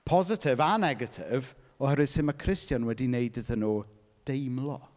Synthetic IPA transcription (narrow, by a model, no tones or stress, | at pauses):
pʰɔzɪtʰɪvanɛɡətʰɪv | ɔhɛɾwɨð̥sɪməkʰrɪstjɔnwɛdineɨdəðənoː | d̥ejmlˠɔ